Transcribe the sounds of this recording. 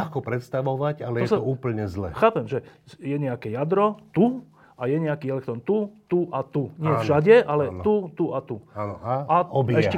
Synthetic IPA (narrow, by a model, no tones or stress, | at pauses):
xkɔpɾɛt̪st̪aʋɔʋaɟalɛjɔɛsɔuːpl̩ɲɛzlɛ̰xaːpɛmʒɛjɛɲɛakɛjad̪ɾɔt̪u | ajɛɲɛakiːɛlɛk̚t̪ɾɔnt̪ut̪uʔat̪uɲɪɛvʒaɟɛʔalɛut̪uʔat̪uanɔaaɔbiɛʃɛ